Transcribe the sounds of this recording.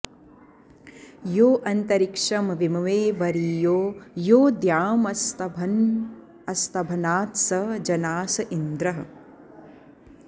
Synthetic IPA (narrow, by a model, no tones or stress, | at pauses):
joːʔɐnt̪ɐɾikʂɐmʋimɐʋeːʋɐɾiːjoːjoːd̪jaːmɐs | ɐst̪ɐbʱɐnaːt̪sɐd͡ʒɐnaːsɐʔind̪ɾɐɦɐ̆